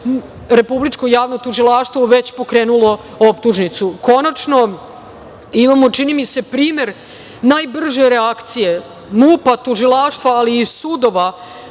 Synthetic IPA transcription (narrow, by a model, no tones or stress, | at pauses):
ɾe̞publit͡ʃkojaːʋnot̪uʒilˠaʃt̪voʋe̞t͡ɕpo̞kɾeːnulˠo̞ | opt̪uʒnit̪suko̞nat͡ʂno̞ | imamo̞t͡ʃinimise̞pɾiːme̞ɾ | najbr̩ʒeɾeakt̪sije̞ | muːpat̪uʒilˠaːʃt̪ʋaːliːsud̪o̞ʋa